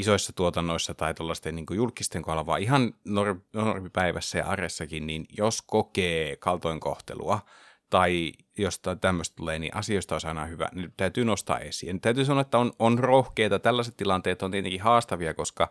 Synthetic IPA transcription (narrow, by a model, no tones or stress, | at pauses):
isoisːɑt̪uot̪ɑnːoisːɑt̪ɑit̪olːɑst̪ːeniːŋkojulkːˑist̪eŋkoɑlɑʋɑ̰ːiɦɑnnornormipæiʋæsːæjɑ̰ʔɑresːɑkinninjoskokeːkɑlt̪oiŋko̰ht̪ḛlṵɑ | t̪ɑi | jost̪ɑt̪æmːøst̪t̪uleːnḭːʔɑ̰sioist̪ɑoisɑinɑ̰hyʋæ̰net̪æyt̪yːnost̪ɑ̰ːʔesḭænt̪æyt̪yːsɑnoɑet̪ːæononrohkeːt̪ɑt̪ælːæset̪t̪ilɑnt̪eːt̪ont̪iet̪eŋkihɑːst̪ɑʋiɑkoskɑ